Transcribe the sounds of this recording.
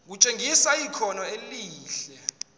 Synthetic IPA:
k̬ut͡ʃʼeŋɡʱisaikʰɔnɔeliːɬɛ

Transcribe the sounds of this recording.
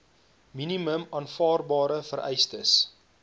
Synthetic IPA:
miniməmɑːnfɑːrbɑːɾəfəɾʔɛ̰jstəs

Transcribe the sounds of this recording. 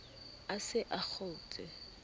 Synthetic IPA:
asɪʔak͡xʰoʊt͡sʼɛ

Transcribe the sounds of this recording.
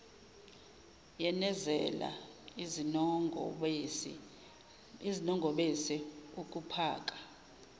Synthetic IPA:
jɛnɛzɛ̰la̰ | izinɔŋɡʱɔɓesiuk̬ʼupʰaːk̬ʼḁ

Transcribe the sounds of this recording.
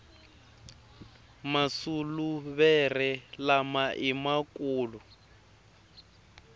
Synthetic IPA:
masuluβɛrɛlamaʔimakuːlu

